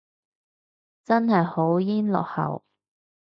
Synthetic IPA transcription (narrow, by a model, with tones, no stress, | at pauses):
t͡sɐ˥nhɐ˨jho˨˥wjiː˥nlɔ̰ː˨˩k̚hɐ̰˨˩w